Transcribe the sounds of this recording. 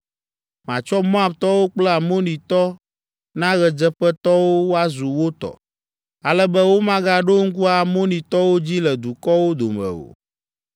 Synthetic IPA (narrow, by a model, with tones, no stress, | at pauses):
mã̰˨t͡ʃɔ˦mɔ̃˦a˨bt̪ɔ˦wo˦k͡plɛ˦a˨mo˦nĩ˨t̪ɔ˦ | nã˦ɣɛ˨d͡ʒɛ˦ɸɛ˦t̪ɔ˦wo˦wo˦a˦zu˨wo˦t̪ɔ̰˨ | a˦lɛ˦bɛ˦wo˦mã˦ɡa˦ɖo˦ŋ̩˦k̬u˦a˨mo˦nĩ˨t̪ɔ˦wo˦d͡ʑi˦lɛ˨d̪u˨kɔ˦wo˦d̪o̰˨mɛ̰̃˨o̰˨